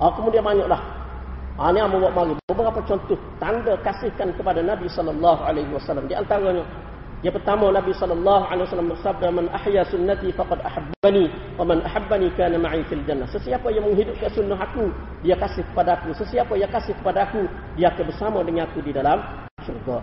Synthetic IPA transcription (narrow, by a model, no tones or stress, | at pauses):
ʔɔkəmudianmaɲɔʔlah | ʔaniamawaʔmaɾibbəbəɾapat͡ʃɔnt̪ʊht̪andakasɪhkankəpadanabisɔlːɑlːɑɦuʕalajɦuwasalːamdiʔant̪aɾaɲa | ijapərt̪amanabisɔlːɑlːɑɦuʕalejwasalambərsab̚damanʔaħjasʊnːat̪ifɑqɑdaħabːni | wamanʔaħabːanikaːnamaʕifild͡ʒanːasəsiapajaŋməŋɦidʊp̚kansunːaɦaku | diakasɪhkə̥padaːkusəsiapajakasɪhkə̥padaːku | diaːkabərsamadəŋanakudidalam | surɡa